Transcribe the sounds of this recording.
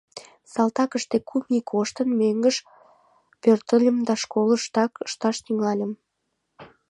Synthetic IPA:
sɑlt̪ɑkəʃt̪ekʰumikʰoʃt̪ənmeŋɡəʃ | pørt̪ə̆lʲəmd̪ɑʃkoləʃt̪ɑkəʃt̪ɑʃt̪yŋɑlʲəm

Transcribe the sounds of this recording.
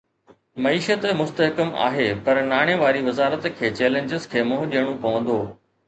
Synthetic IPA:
mɐiːʃət̪mʊst̪əɦkəma̰ːɦeːpɐɾnaːɽ̃eʋaːɾiʋɐzaːɾət̪kʰeːt͡ɕeːlẽɲd͡ʑɪzkʰeːmʊɦʊɗijəɽ̃ũpɐʋə̃nd̪oː

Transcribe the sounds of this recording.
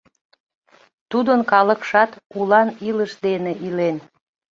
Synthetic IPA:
t̪ud̪ənkɑlə̆kʃɑt̪ulɑniləʃd̪eneʔilen

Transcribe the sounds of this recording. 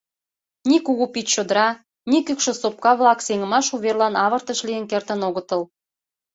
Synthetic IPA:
nikuɣupit̪t͡ɕod̪əɾɑ | nikykʃə̆sop̚kɑβlɑkseŋə̆mɑʃuβerlɑnɑβə̆rt̪əʃlijənkert̪ə̆noɣə̆t̪ə̆l

